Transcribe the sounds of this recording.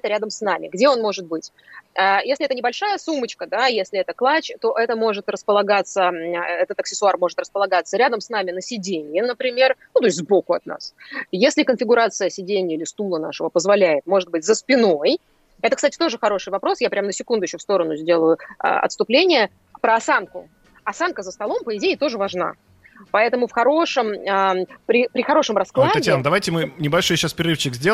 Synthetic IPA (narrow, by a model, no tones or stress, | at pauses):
t̪əɾʲad̪əmsnamʲɪ̰ɡdʲeo̞nmo̞ʐɨt̪̚bɨtʲ | əjesʲlʲɪɛt̪ənʲɪbɐlʲʂajəsumət͡ɕkəd̪ajesʲlʲɪɛt̪əklˠat͡ɕt̪o̞ʔɛt̪əmo̞ʐɨt̪rəspəlˠɐɡat̪səəɛt̪ət̪ɐksʲɪsʊarmo̞ʐɨt̪rəspəlˠɐɡat̪səɾʲad̪əmsnamʲɪnəsʲɪdʲenʲɪjənəpɾʲɪmʲe̞rnut̪o̞ɪtʲzbo̞kʊɐt̪̚na̰sjesʲlʲɪkənfʲɪɡʊɾat̪sɨjəsʲɪdʲenʲɪjəilʲɪst̪ulˠənaʂəvəpəzvɐlʲæjɪt̪mo̞ʐɨt̪̚bɨtʲzəspʲɪno̞j | ɛt̪əkst̪atʲɪt̪o̞ʐɨxɐɾo̞ʂɨjvɐpɾo̞sjapɾʲamnəsʲɪkund̪ʊɪɕʲfst̪o̞ɾənʊzʲdʲe̞lˠəjʊə̰ɐ̰t̪st̪ʊplʲenʲɪjə | pɾəɐsankʊ | ɐsankəzəst̪ɐlˠo̞mpəɪdʲejɪt̪o̞ʐɨvɐʐna̰ | pɐɛt̪əmʊfxɐɾo̞ʂɨməpɾʲɪpɾʲɪxɐɾo̞ʂɨmrɐsklˠat̪ɐtjanəd̪ɐvajtʲɪmɨnʲɪbɐlʲʂojɕːaspʲɪɾʲɪɾɨfɕɪkzʲdʲe